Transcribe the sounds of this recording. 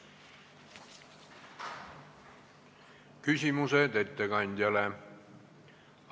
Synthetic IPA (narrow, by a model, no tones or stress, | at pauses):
kysʲimused̪e̞t̪ːekɑnʲd̪̥ʲjɑle